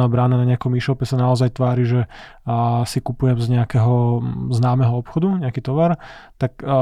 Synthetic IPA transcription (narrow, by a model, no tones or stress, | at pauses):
nabɾaːnanaɲɛakɔmiʃɔpɛsanaɔzajt̪ʋaːɾiʒɛ | sikupujɛmzɲɛakɛɦɔznaːmɛɦɔɔpxɔd̪uɲɛakit̪ɔʋaɾt̪ak